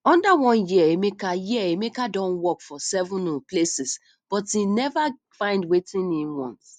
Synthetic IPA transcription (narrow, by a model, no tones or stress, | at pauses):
ɔ̃ndawɔ̃njiəemekajiəemekadɔ̃nwɔkfɔsɛvʊ̃nuplesis | b̥ɔtinɛva | fãɪ̃ndwetĩnːĩwɔ̰̃nt